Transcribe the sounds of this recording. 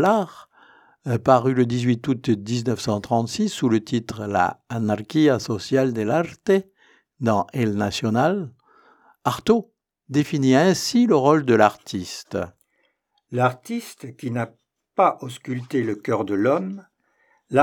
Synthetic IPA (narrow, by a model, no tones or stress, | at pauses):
laʁ | paʁyləd̪izɥit̪ut̪d̪iznœfsɑ̃t̪χɑ̃t̪sisːulət̪it̪χla̰ːnaʁkʲiasɔsjald̪elaʁt̪e | d̪ɑ̃ʔɛlnasjɔnal | aʁt̪o | d̪efiniɛ̃siləʁɔld̪əlaʁt̪ʰist̪ | laʁt̪ist̪kʲina | paʔɔskʲylt̪eləkʲœʁd̪əlɔm | la